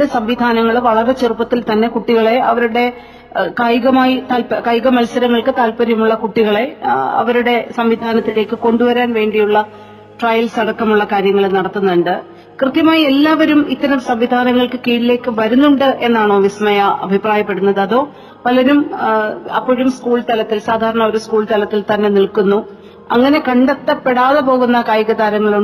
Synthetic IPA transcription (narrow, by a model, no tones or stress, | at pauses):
ɽesɐmʋid̪ʱaːnɐŋːɐɭʋɐɭɐɾɐt͡ɕerupːɐt̪ːilt̪ɐnːe̞kuʈːiɣɐɭe̞ɐʋɐɾuɽe̞ | kajɣɐmaːjit̪aːlpkɐjɣɐmɐlsɐɾɐŋːɐɭkɨt̪aːlpɐɾjɐmuɭːɐkuʈːiɣɐɭe̞ɐ̰ʋɐɾuɽe̞sɐmʋid̪ʱaːnɐt̪ːile̞ːkːɨko̞ɳɖuʋɐɾaːnʋe̞ːɳɖijuɭːɐ | ʈrɐjɐlsɐɽɐkːɐmuɭːɐkaːɾjɐŋːɐɭenɐɽɐt̪ːunːɐɳɖɨ | krɨt̪jɐmaːjie̞lːaːʋɐɾumit̪ːɐɾɐmsɐmʋid̪ʱaːnɐŋːɐɭkɨkiːɽile̞ːkːɨʋɐɾunːuɳɖɨʔe̞nːaːɳo̞ːʋismɐjɐɐ̰bʱipraːjɐpːe̞ɽunːɐðɐðo̞ː | pɐlɐɾum | ɐ̰pːoːɻumskuːɭt̪ɐlɐt̪ːilsaːd̪ʱaːɾɐɳɐʋɐɾuskuːɭt̪ɐlɐt̪ːilt̪ɐnːe̞niɭkunːu | ɐŋːɐne̞kɐɳɖet̪ːɐpːeɽaːðepo̞ːɣunːɐkaːjɐɣɐd̪aːɾɐŋːɐɭuɳ